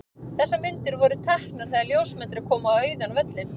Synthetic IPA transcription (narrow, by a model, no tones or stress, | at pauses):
θɛsːamɪnt̪ɪɾvɔɾʏt̪ʰahknaɾ̥θaljowsmɛnt̪ɾɪ̥kʰɔːmʏaœːɥjðanvɛt̪lɪ